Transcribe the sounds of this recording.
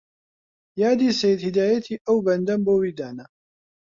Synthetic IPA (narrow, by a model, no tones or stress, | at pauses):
jaːd̪iːsajd̪hɪd̪aːjat̪ʰiːʔawbɐnd̪ambowid̪aːna